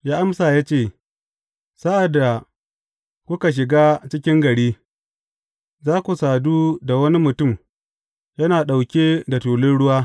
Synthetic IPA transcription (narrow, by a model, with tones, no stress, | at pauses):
jaː˦ʔa˦msaː˨jaː˦t͡ʃeː˦˨ | sa˦ʔa˨dːa˨ | kʷʊ˦ka˨ʃ̬ɪ˨ɡaː˦t͡ʃɪ˦kʲɪ˦ŋɡɐ˨ɽiː˦ | zaː˦kʷu˨saː˨duː˦da˨wɐ˦ni˦mʊ˨tʊ˦˨m | jɐ˦naː˨ɗa˨wkʲeː˦da˨tuː˨lɪ˦nɽʊ˦waː˦